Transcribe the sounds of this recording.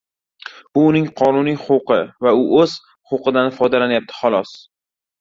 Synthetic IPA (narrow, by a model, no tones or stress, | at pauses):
bʊːnɪŋqʰɒnʊnijχowqʰɨvaʊʔɵz̥ | χowqɨd̪anfɒd̪alanjap̚t̪ʰɪ̥χɒlˠɒs